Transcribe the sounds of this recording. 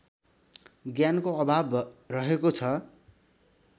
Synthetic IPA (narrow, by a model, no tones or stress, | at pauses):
ɡjankoʌbʱabrʌɦekot͡sʰʌ